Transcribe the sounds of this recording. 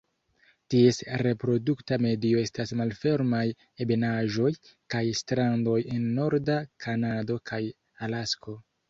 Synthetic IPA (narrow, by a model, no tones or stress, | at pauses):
tie̞sɾe̞pɾo̞duktame̞dio̞e̞stasmalfe̞ɾmaj | e̞be̞naʒo̞jkajstɾando̞je̞nːo̞ɾdakʰanado̞kʰaj | alasko̞